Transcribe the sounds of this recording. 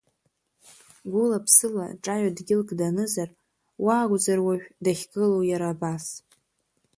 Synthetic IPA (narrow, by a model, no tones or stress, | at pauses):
ɡʷʊlapʰsɨla̰ʈ͡ʂʼaɥadɡʲɪlkʼdanɨzar | waːɡʷd͡zarwaɥᶣdaχʲɡɨlowjaɾaːbas